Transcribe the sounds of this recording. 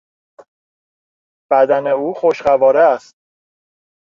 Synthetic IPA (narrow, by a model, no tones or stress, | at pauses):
b̥æd̪æne̞uːxo̞ʃɢævɒːɾeæst̪̚